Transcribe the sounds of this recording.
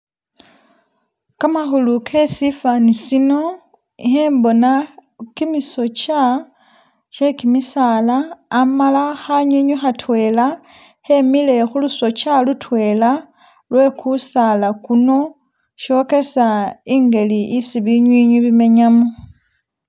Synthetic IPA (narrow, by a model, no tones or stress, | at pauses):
kamaxulukʰe̞sifanisino̞ | iheːmbo̞nakimiso̞t͡ʃa | t͡ʃe̞kimisalaːmalaxaɲiɲwixatwe̞ːla | he̞mile̞xuluso̞t͡ʃalutwe̞ːla | lwe̞kʰusalakuno̞ | ʃo̞ke̞saiːŋɡe̞liʔisiβiɲwiːɲuβime̞ɲamu